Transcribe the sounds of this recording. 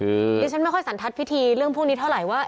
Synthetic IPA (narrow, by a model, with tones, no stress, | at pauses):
ɯ˧niː˦˥t͡ɕʰa˥nm˥˩jxʰjsa˩˦nt̪ʰa˦˥t̪̚wʰi˦˥t̪ʰiː˧ɾɯ˥˩əŋpʰuː˥˩ŋni˦˥t̪ʰa˥˩wɾa˨˩jwaː˥˩